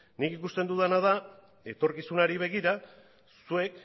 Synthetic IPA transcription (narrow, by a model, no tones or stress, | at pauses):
nikikust̪e̞nd̪uðanað̞a | e̞t̪o̞ɾkisunaɾiβ̞e̞ɣiɾa | sue̞k